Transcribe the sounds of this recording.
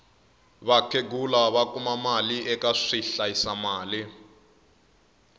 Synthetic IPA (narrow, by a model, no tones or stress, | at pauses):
βakʰeɡulaβakʼumamaliʔɛkʼaʂiɬaisamaːli